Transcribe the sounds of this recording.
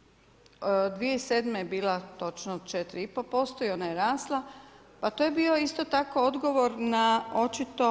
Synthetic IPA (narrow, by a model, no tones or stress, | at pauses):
d̪ʋijeiseːd̪mejebiːlat̪o̞t͡ʃnood̪t͡ʃet̪ɾiipo̞po̞st̪o̞io̞najeɾaːslˠa | pat̪ojebiːo̞ist̪o̞t̪ako̞o̞d̪ɡo̞ʋo̞ɾnao̞t͡ʃit̪o̞